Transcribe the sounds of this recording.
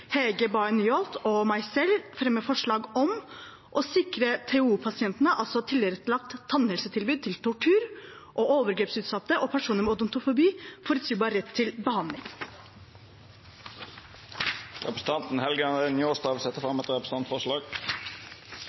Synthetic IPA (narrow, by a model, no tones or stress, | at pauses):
hɛɡəbɑɪnʏːɔlt̪ʰɔmæɪsɛlfɾɛmːəfɔʂɭɑːɡɔm | ʔɔsɪkɾət̪ʰɛuːpʰɑsɪɛnt̪nəʔɑlsɔt̪ʰɪlːɪəɾɛt̪lɑk̚t̪ʰːɑnhɛlsət̪ʰɪlbʉːd̪̚t̪ʰɪlt̪ʰʊʈʰʉːɾ | ʔɔʔoːʋəɾɡɾeːpsʉːt̪sɑt̪ːəʔoːpʰæʂuːnəɾmɛɔd̪ɔmnt̪ʊfʊbiːfɔɾət̪siːbɑːɾɾɛt̪ʰːɪlbəhɑnlɪŋ | ɾɛpɾə̥sn̩t̪ɑnt̪n̩hɛlɡəɑnɛɪnjoːst̪ɑːʋsɛt̪əfɾɑmɛt̪əɾɛpɾəs̩ɑnt̪fɔʂɭɑːɡ